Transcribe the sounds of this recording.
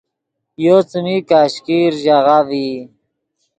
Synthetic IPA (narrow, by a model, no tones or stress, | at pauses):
jot͡sumikaːɕkiɾʑaʁavi